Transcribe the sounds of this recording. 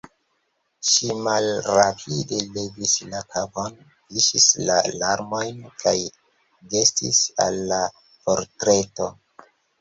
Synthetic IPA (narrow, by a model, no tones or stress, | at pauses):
ʃimalɾapʰidelevislakʰapon | fiʃisla̰laɾmo̞jnkaj | ɡe̞stḭsa̰lːa | po̞ɾtɾe̞to̞